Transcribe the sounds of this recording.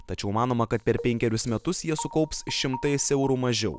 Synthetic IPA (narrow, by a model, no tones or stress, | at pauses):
t̪ɐt͡ʃʲɛʊmɑːnoːmɐkɐt̪̚pʲɛɾpʲɛŋʲkʲɛɾʲʊsmʲɛt̪ʊsjiɛsʊkɐʊpsʃʲɪmt̪ɐɪsɛʊɾuːmɐʒʲɛ̰ʊ